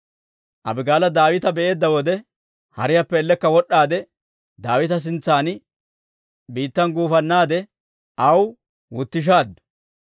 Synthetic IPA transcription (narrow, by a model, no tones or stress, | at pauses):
ʔɐ̰bɪɡaːlɐd̪aːwɪt̪ɐbɛʔe̞ːd̪ːɐwɔd̪ɛ | hɐɾɪjɐpːɛːlːɛkːɐwɔɗːaːd̪ɛ | d̪aːwɪt̪ɐs̬ɪnt͡sːaːn | biːt̪ːɐnɡuːfɐnːaːd̪ɛ | ʔɐw | wʊt̪ːɪʃ̬aːd̪ːʊ